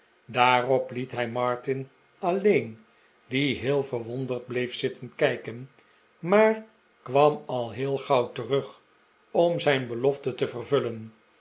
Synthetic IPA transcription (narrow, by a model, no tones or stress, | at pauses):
daːrɔplitɦɛjmɑɹtɪn | ɑlejn | diɦɪːlˠvərʋɔndərd̚blejfsɪtənkɛjkən | maːr | kʋɑmɑlˠɦɪːlˠχɑwtərɵχ | ɔmzɛjnbəlɔftətəvərvɵlən